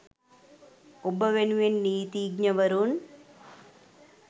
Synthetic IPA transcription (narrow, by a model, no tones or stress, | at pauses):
obəʋenuʋenːiːt̪iːɡɲəʋəɾun